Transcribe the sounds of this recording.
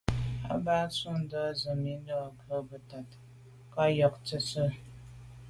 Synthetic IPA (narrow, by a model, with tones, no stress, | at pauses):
a̰˦baː˦su˦n˨dɔ˦zɨ˨mi˦nɨ˦a˨kə˦bɨ˨˦ta˨t | ka˦jɔ˨ktɨ˦sɨ˦